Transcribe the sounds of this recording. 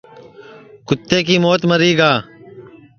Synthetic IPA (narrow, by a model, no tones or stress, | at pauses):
kʊt̪ːeːkiːmoːt̪məɾiːɡaː